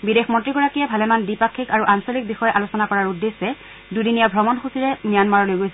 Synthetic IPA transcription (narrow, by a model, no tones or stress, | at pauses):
bidexmɔntɹiɡɔɹakijɛbʱalɛmandipakʰːikaɹuʔansolik̚bixɔjɛʔalosɔnakɔɹaɹudːesːɛ | dudinijabʱɹɔmɔnxusiɹɛnijanmaɹɔlojɡojsɛ